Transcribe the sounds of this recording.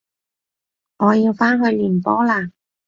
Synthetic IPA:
ŋɔː˨˧jiː˧wfaː˥nɦɵ˧ɥliː˨˩npɔ̰ː˨˥laː˧˩

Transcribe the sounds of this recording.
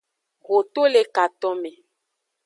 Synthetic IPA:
ɣo˨t̪o˦le˦ka˨tɔ˦me˨

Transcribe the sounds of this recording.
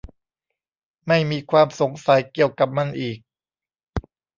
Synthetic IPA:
ma˥˩jmiː˧kʰwaː˧mso˩˦ŋsa˨˩˦jki˨˩əwka˨˩p̚ma˧˩nʔiː˨˩k̚

